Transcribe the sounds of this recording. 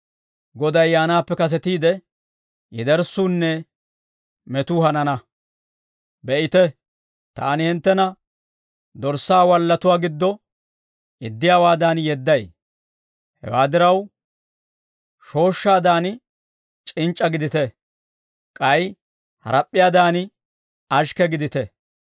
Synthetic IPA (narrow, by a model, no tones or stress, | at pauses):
ɡɔd̪ɐjːaːnaːpːɛkɐs̬ɛt̪iːd̪ɛ | jɛd̪ɛɾsuːnːɛ | mɛt̪ʊhɐnɐnɐ | bɛʔɪt̪ɛ | t̪a̰ːnɪhɪnt̪ːɛnɐ | d̪ɔɾsːaːwɐlːɐt̪ʊwaːɡɪd̪ːɔ | ɪd̪ːɪjaːwaːd̪aːnjɛd̪ːɐj | hɛ̰waːd̪ɪɾɐw | ʃo̞ːʃːaːd̪aːn | t͡ʃʼɪnt͡ʃʼːɐɡɪd̪ɪt̪ɛ | kʼɐj | hɐ̰ɾɐpʼːɪjaːd̪aːn | ɐʃkɛɡɪd̪ɪt̪ɛ